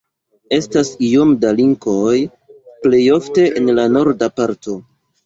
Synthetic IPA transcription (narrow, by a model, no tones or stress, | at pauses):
e̞stasio̞mdaliŋko̞j | ple̞jo̞fte̞ʔenlano̞ɾdapaɾto̞